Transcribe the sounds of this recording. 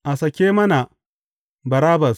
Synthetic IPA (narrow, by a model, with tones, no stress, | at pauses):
ʔa˨sɐ˨kʲeː˦mɐ˦na˨ | bɐ˨ɾaː˦bɐ˨s